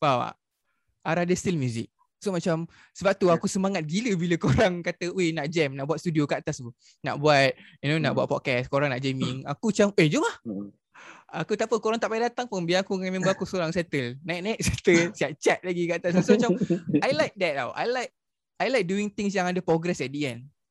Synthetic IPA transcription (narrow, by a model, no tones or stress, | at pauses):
bawa̰ | aɾadəst̪ilmjuzɪ̰k̚ | somat͡ʃam | səbap̚t̪uakusəmaŋat̪̚ɡiləbiləkoɾaŋkat̪əwenaʔd͡ʒɛmnaʔbuat̪̚st̪udiokəat̪asu | na̰ʔbuat̪̚junona̰ʔbuat̪̚pɔt̪̚kɛskoɾãŋnaʔd͡ʒɛmɪŋa̰kut͡ʃamed͡ʒumah | akut̪apəkoɾaŋt̪aʔpajdat̪aŋpənbiaakuŋãmẽmbəakusoɾaŋsɛt̪əlnajt̚najt̪̚sɛt̪əlsiaʔ̚t͡ʃɛt̪̚laɡikaʔt̪as̬usomat͡ʃamajlajk̚dɛt̪̚a̰wa̰jlajk̚ | ajlajk̚duɪŋt̪ɪŋs̬jãŋadəpɾɔɡɾɛsɛt̚diɛn